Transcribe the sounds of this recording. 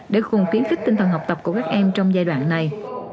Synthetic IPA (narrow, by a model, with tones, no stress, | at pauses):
ɗe˨˧˩ɣʊ˨˩ŋ͡mfi˨˦ənxi˦˥k̚t̪i˧ŋ̟t̪ʰə˨˩nɦa˨˩w̚k͡pt̪ə˨˩p̚ku˧˩əkaː˦˥k̚ʔɛ˧mt͡ɕɔ˧wŋ͡mzaː˧jɗwa̰ː˧˨nːa˨˩j